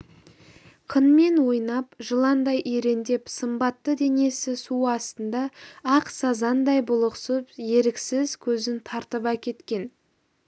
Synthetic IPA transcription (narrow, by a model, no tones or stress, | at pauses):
qʰənme̞nwo̞jnɑpʒəlˠɑnd̪ɑjʔejɾe̞nd̪e̞psəmbɑt̪ːəd̪e̞ne̞sɪsuɑst̪ənd̪ɑːqsɑzɑnd̪ɑjbʊlˠəqsəpje̞ɾɪksɪzkʲʰɵzɪnt̪ʰɑɾt̪əpɑkʲʰe̞t̪kʲe̞n